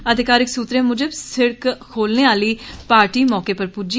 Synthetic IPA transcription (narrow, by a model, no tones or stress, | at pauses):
əd̪ʱɪkaːɾɪksuːt̪ɾẽːmʊd͡ʒəbsɪɽkkʰoːlneːaːliːpaːɾʈiːmɔːkeːpəɾpud͡ʒi